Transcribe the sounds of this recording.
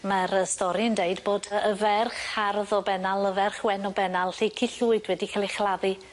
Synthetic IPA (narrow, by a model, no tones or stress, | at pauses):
maɾəstɔɾiəndeɨdboːdəəvɛrχarðɔbɛnalˠəvɛrχwɛnɔbɛnalˠɬikʰɪɬʊɨdwɛdikʰalˠɪχlˠaði